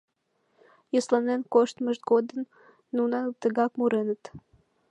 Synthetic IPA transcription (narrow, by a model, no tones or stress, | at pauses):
jəslanenkoʃt̪məʒd̪ɡod̪ən | nunat̪əɡɑkmuɾenət̪